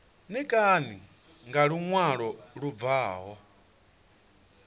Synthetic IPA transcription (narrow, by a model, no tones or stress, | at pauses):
nikʼani | ŋɡaɺuŋwaɺɔɺuvaːɦɔ